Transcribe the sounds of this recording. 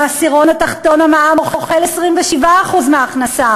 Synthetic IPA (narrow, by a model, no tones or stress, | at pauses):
asiʁo̞nat̪aχt̪o̞namaamoχoχelesʁimveʃivaːχuzmeaːχnasa